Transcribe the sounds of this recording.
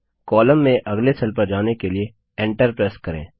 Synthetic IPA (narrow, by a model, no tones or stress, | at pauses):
kɔːləmːẽʔɐɡlesɐlpəɾd͡ʒaːnekelie | ẽːɳʈəɾpɾeːskɐɾḛ̃ː